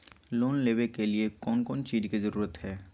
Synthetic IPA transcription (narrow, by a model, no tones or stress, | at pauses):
loːnleːʋekeliekɔːnkɔːnt͡ʃiːzkizəɾuːɾət̪ɦɛː